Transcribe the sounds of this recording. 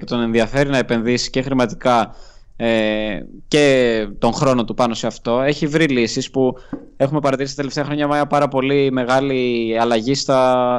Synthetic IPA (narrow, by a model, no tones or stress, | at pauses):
et̪o̞ne̞nðiɐfe̞ɾinɐe̞pe̞nðisi̥ce̞xɾimɐt̪i̥kɐece̞t̪o̞ŋxɾo̞no̞t̪upɐno̞se̞ɐft̪o̞e̞çivɾilisispu | e̞xume̞pɐɾɐt̪iɾist̪t̪eleft̪eɐxɾoɲɐmɐpɐɾɐpo̞lime̞ɣɐliɐlɐʝist̪ɐ